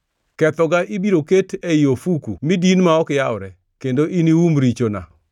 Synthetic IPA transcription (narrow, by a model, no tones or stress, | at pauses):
kɛt̪ɔɡaʔibiɾoketʰɛjofukṵmidinmaɔkɪjawɾɛ | kendoʔiniwumɾit͡ʃona̰